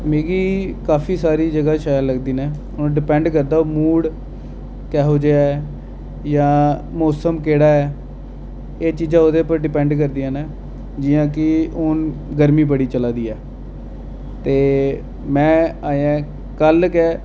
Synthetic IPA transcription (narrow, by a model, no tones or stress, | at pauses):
meːɡiːkaːpʰiːsaːɾiːd͡ʒəɡaːʃaːjãləɡd̪iːnɛː | ʊnɖɪpɛ̃ːɳɖkəɾd̪aːoːmuːɽ | kɛːɦoːd͡ʒeaɛ | jãːmoːsəmkeːɽaːɛː | eːt͡ʃiːd͡ʒãːoːd̪eːpəɾɖɪpɛ̃ːɳɖk̬əɾd̪ijãːnɛː | d͡ʒɪjãːkɪʊːnɡəɾmiːpəɽiːt͡ʃəlaːd̪iːɛː | t̪eː | mɛ̃ːaːjãː | kəlkɛː